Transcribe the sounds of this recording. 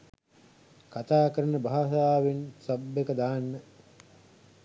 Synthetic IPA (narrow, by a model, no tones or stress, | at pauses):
kat̪aːkəɾənəbaɦasaːʋinsɐbːekəd̪aɦanːə